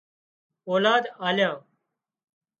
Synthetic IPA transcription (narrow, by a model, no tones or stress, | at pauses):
oːlaːd̪aːljãː